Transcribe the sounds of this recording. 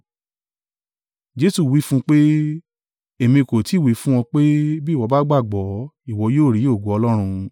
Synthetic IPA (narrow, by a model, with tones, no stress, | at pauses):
d͡ʒe˦su˦˨wi˦fũ˦k͡pe˦ | e˦˨mĩ˧˨ko˨ti˨˦˨wi˨˦fũ˦w̃ɔ̃˧k͡pe˦bi˦˨wɔ˨˧ba˦ɡ͡ba˦˨ɡ͡bɔ˨˦i˦˨wɔ˧joː˦˨ɾi˨˦o˦˨ɡo˨˦ɔ˧lɔ˦ɾ̃ũ˧